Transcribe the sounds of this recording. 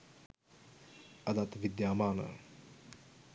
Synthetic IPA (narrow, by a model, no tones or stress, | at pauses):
ɐd̪at̪ʋid̪jaːmaːnə̰